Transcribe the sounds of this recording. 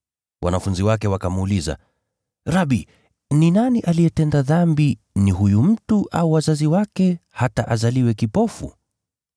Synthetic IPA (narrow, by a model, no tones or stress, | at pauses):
wa̰nafunziwakɛwakamuːliza̰ | ɾaɓi | ninaniʔalijɛtɛndaðambi | niɦujum̩tuʔa̰uwazaziwakɛhataʔazaliwɛkipɔfṵ